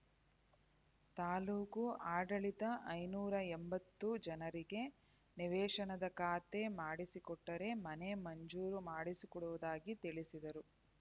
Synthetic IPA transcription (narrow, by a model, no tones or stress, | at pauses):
t̪aːluːkuaːɖɐɭit̪ɐʔɐjnuːɾɐembɐt̪ːud͡ʒɐnɐɾiɡe̞ | niʋɛːʂɐnɐd̪ɐkaːt̪e̞maːɽisikɔʈːɐɾe̞mɐnemɐɲd͡ʒuːɾumaːɽisikɔɽuʋud̪aːɡit̪iɭisid̪ɐɾu